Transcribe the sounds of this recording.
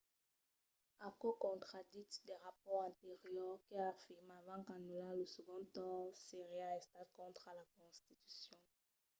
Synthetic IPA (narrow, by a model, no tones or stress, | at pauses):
akokɔ̃t̪χad̪it̪d̪ɛʁapɔʁɛ̃t̪eʁjœʁkəafiʁmavãkanulaləsəɡɔ̃t̪ɑ̃seʁeaɛst̪at̪kɔ̃t̪χalakɔ̃st̪it̪y̥sjɔ̃